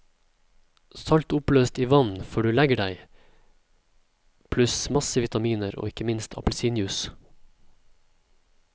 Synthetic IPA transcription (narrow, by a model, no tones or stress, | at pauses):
sɑlt̪ʊpløːst̪iːʋɑnfɔɖʉːlæɡəɖæɪ | pʰlʉsmɑsəʋɪt̪ɑmiːnəɾo̰ːɪkəmɪnst̪ʰɑ̰pl̩siːnjʉs